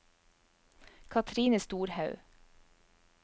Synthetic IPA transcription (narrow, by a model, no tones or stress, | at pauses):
kʰɑt̪ʰɾiːnəst̪uːɾhɑʉ